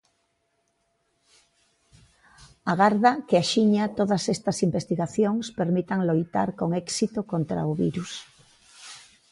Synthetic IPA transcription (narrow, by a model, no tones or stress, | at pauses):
aɣaɾðakɪaʃiɲat̪oðɐsest̪ɐsimbest̪iɣaθjoŋspeɾmit̪aŋlojt̪a̰ɾkoŋɛksit̪ʊkont̪ɾa̰ʊβiɾus